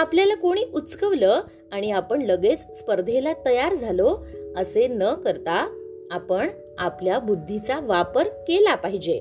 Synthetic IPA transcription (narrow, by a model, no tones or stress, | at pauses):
apljalakoɽ̃iːʔutskəʋlə | aɽ̃iapəɳləɡet͡sspəɾd̪ʱelat̪əjaɾd͡zʱaloəsenəkəɾt̪aapəɳ | apljabud̪ʱːit͡saʋapəɾkelapaɦid͡ʑe